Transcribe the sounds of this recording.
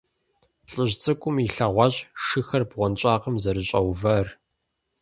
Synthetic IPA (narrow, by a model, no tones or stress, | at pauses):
ɬʼɨʑt͡sʼɨkʷʼʊmiɬɐʁʷɑːɕʼʂɨxɐrbʁʷɔnɕʼaːqəmzɐɾɨɕʼɐwvɐr